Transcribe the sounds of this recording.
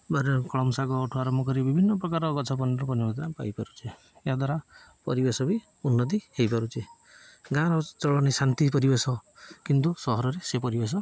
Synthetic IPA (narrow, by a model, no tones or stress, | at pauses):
baɾɔkɔɭɔmsaɡɔːʈʰuaɾɔmbʱɔkɔɾibibʱinːɔpɾɔkaɾɔɡɔt͡ʃʰɔp̬ɔniɔkɔnibɔd̪ɾapa̰jpaɾut͡ʃʰe | ead̪waɾa | pɔɾibesɔbi | unːɔt̪̬ihejpaɾut͡ʃʰe | ɡãɾɔt͡ʃɔɭɔnisant̪ipɔɾibesɔkint̪usɔɦɔɾɔɾesepɔɾibes̬ɔ